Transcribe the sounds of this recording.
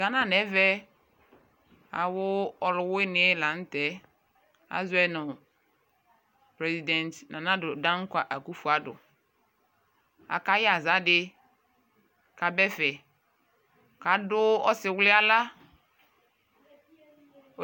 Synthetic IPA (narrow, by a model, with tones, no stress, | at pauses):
ɡa˦nã˨nɛ˨˦vɛ˦ | a̰˨wʊ˦ɔ˨lʊ˨wʊ˦ɪ˦nɪ˦ɛ˦la˨n̩˦tɛ˦ | a̰˨zʊ˦ɛ˦nʊ̃˨ | pɾe˨zi˨dɛ̃˨ntnã˨nã˦dʊ˨dã˦ŋ̩˦kʷa˨ʔa˨ku˦fu˨a˨dʊ̰˨ | a̰˨ka˨˦ja˨za˦dɪ˦ | ka˨bɛ˦fɛ˨ | ka˨dʊ˦ɔ˦sɪ˨wlɪ˦a˦la˦